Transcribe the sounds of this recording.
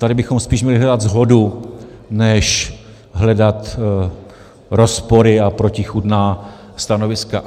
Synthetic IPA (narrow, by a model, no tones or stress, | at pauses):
t̪adɪbɪxo̞mspiːʃmɲɛlɪɦlɛdad̪zɦo̞du | nɛʃ | ɦlɛdat̪ | ɾo̞spo̞ɾɪapɾo̞cɪxudnaː | st̪ano̞vɪska